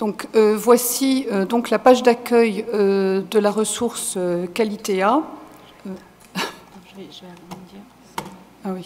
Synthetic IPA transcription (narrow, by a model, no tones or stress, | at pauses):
d̪̥ɔ̃køvwasiød̪ɔ̃klapaʒd̪akʲœjød̪əlaʁəsuʁsøkalit̪ea | ø̃ | ʒɛ̃d̪iʁ | awi